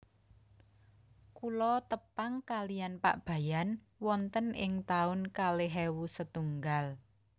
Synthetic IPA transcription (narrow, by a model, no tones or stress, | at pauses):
kulɔt̪əpaŋkalijanpa̰ʔb̥a̤jan | wɔnt̪ənɪŋt̪aʊnkaleɦɛwusət̪uŋɡal